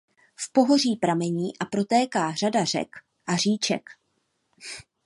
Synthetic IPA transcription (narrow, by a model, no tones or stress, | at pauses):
fpo̞ɦo̞riːpɾamɛɲiːʔapɾo̞t̪ɛːkaːr̝adar̝ɛ̰k | ʔar̝iːt͡ʃɛ̰k